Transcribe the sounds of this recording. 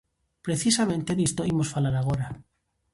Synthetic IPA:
pɾe̞θisamẽnt̪eðist̪oimosfalaɾaɣ̞o̞ɾa

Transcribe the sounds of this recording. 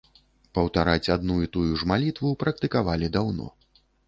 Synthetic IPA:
pɐwt̪aɾat͡sʲad̪nuit̪ujuʐmalʲit̪vupɾɐkt̪ɨkavalʲid̪awnɔ̰

